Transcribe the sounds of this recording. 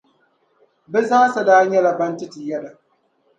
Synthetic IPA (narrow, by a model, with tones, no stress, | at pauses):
bɛ˦zaː˦sa˨daː˦ɲɛ˦lɐ˨bɐ˦ntɪ˦ti˨jɛ˦da˨